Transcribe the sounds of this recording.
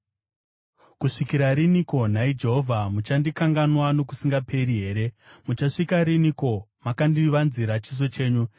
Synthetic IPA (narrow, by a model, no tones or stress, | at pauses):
kuʂikiɾaɾiniko̞n̤aid͡ʒe̞ɦovʱamut͡ʃandikaŋɡanwano̞ku̥siŋɡapʰe̞ɾiɦe̞ːɾe̞mut͡ʃaʂikaɾiniko̞makandiʋanziɾat͡ʃizo̞t͡ʃe̞ːɲu